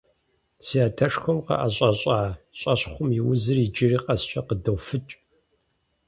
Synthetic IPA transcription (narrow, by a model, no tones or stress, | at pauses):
siaːtʰɐʂxʷɐmqɐ̰ʔɐɕʼɐɕʼaːɕʼɐɕχʷʊmiwʊzɨrid͡ʒɪriːqʼɐst͡ʃʼɐqədɐwfɨt͡ʃʼ